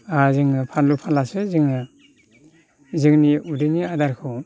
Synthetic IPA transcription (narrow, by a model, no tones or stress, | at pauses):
azɯŋɯpʰanlupʰanlasɯzɯŋɯ | zɯŋniudɯniadaɾkʰɯw